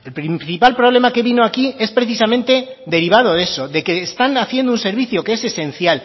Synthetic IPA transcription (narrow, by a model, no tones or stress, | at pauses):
e̞lpɾinθipalpɾo̞β̞le̞make̞βino̞akie̞spɾeθisamẽ̞nt̪e̞ðe̞ɾiβ̞að̞o̞ðe̞so̞ðe̞ke̞ːst̪anaθje̞nd̪ounse̞ɾβiθjo̞keese̞se̞n̟θjal